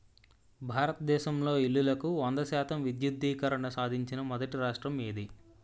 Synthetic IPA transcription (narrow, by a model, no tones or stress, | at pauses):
bʱaːɾɐt̪ɐd̪ɛːʃɐmlo̞ːilːulɐkuʋɐnd̪ɐʃaːt̪ɐmʋid̪jud̪ːiːkɐɾɐɳɐsaːd̪ʱiɲt͡ʃinɐmɔd̪ɐʈiɾaːʂʈɾɐmeːd̪i